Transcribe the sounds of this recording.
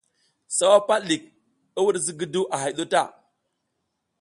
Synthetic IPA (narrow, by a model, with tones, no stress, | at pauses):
sa˦wa˦pa˦li˨k̚ | i˦wu˦ɾzi˦ɡi˦du˦ʔa˨ɦa˨jɗo˦ta˦˨